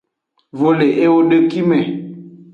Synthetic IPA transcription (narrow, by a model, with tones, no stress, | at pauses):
vo˨le˨ʔe˦wo˦ɖe˦ki˦mɛ̃˨